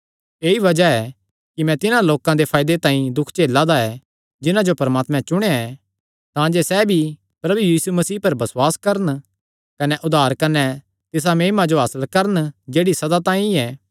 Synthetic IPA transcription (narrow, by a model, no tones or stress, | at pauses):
eːiʋɐd͡ʒaɛ | kimɛ̃t̪ɪnãloːkãd̪epʰaːɪd̪et̪ãːĩd̪ʊkʰt͡ʃeːlːad̪aɛ | d͡ʒɪnãd͡ʒopɐɾmaːt̪mɛ̃t͡ʃʊɽ̃ejaɛ | t̪ãːd͡ʒesɛːbʱi | pɾɐbujiːsumɐsiːpɐɾbɐswaːskɐɾən | kɐnɛʔʊd̪ʱaːɾkɐnɛ | t̪ɪs̬ameːmad͡ʒoɦaːsəlkɐɾənd͡ʒeːɽisɐd̪at̪ãːĩɛː